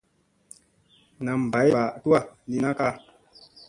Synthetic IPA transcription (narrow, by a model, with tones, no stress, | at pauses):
na˨m˨ba˨˦jba˨tu˦a˦˨ni˨na˦ka˦˨